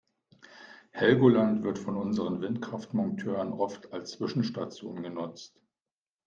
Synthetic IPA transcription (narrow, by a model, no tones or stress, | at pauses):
hɛlɡolantv̥ɪɐtfɔnʊnzəʁ̞ənvɪntkʁ̥aftmɔŋtʰøːʁənʔɔftʰalst͡sv̥ɪʃn̩ʃtat͡sjo̰ːnɡənʊt͡st